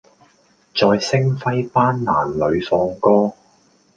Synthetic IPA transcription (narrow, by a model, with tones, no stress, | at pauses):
t͡sɔː˧jsɪ˥ŋfɐ˥jpaː˥nːa̰ː˨˩nlɵ˨˧ɥfɔː˧ŋkɔː˥